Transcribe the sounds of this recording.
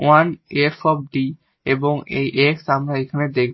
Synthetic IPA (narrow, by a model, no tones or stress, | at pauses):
wanefɔb̚ɖi | eboŋḛjʔeksamɾaekʰaned̪ek̚ʰ